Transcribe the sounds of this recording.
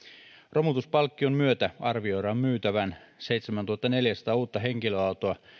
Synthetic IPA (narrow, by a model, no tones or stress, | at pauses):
ro̞mut̪uspɑlkːiommyøt̪æɑrʋio̞jɾɑommyːt̪æʋæn | se̞jt̪semænt̪uhɑt̪ːɑne̞ljæsɑ̥t̪ɑːuːt̪ːɑɦeŋkiløɑut̪oɑ